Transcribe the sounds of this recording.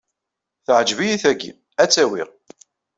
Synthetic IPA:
θəʕəd͡ʒvijiθæɡḭ | æt͡sːæwḭʁ

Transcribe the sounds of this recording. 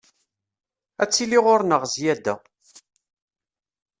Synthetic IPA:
æt͡sːiliʁʊɾnəʁzjæd̪æ

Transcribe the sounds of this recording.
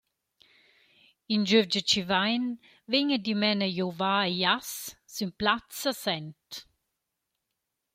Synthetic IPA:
ind͡ʒøvd͡ʒət͡ʃivajn | veɲəd̪imɛnəjovaːejassymplat͡səsɛnt

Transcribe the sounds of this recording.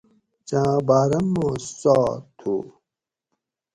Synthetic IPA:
t͡ɕãːbaːɾɐmːõːsaːt̪ʰu

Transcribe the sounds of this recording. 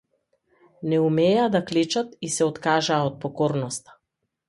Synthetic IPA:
nɛumɛːad̪aklɛt͡ʃat̪isɛɔt̪kaʒaːot̪̚pɔkɔɾnɔst̪ḁ

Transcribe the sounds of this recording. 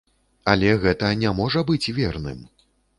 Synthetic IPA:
ɐlʲɛɣɛt̪ɐnʲamɔʐɐbɨt͡sʲvʲɛrnɨ̰m

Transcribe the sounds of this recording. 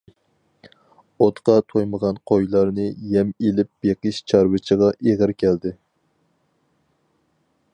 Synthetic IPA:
ot̪qɑt̪ʰojməʁɑnqʰojlˠɑɾnɨjɛmelɪp̚b̥eqɨʃt͡ʃʰɑɾwɨt͡ʃʰəʁɑʔeʁɨɾkʲʰɛld̪ɪ

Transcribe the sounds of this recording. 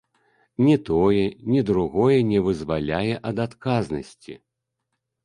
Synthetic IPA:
nʲɛt̪ɔjɛnʲɛd̪ɾuɣɔjɛnʲɛvɨzvalʲajɛʔɐd̪at̪kaznɐsʲt͡sʲḭ

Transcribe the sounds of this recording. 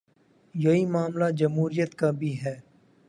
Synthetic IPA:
jɐɦiːmaːmlad͡ʒɐmɦuːɾijət̪kaːbʱiːɦɛː

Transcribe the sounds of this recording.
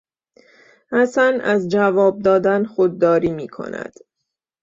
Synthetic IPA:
hæsænæzd͡ʒævɒːb̚d̪ɒːd̪ænxod̪ːɒːɾiːmiːkʰo̞̰næ̰d̪̥

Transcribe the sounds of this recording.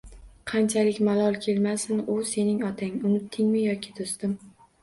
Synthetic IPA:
qʰɑnt͡ʃʰalɪkʲmalˠɒlˠkʲʰe̞lmasɪnʊse̞nɪŋɒt̪ʰaŋʊnɪt̪ʰːɪŋmɪjɒkʲɪ̥t̪ʰost̪ɪm

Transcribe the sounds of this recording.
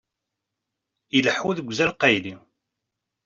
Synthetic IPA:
iləħuðəɡʷzælqɑjli

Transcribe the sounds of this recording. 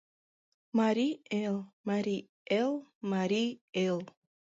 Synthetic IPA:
maɾʲielmaɾi | elˠmaɾʲielˠ

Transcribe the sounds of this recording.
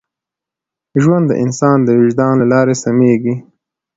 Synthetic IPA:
ʒwand̪ːə̰ʔɪ̰nsɑnd̪əwɪʒd̪ɑnlalɑɾesameɡi

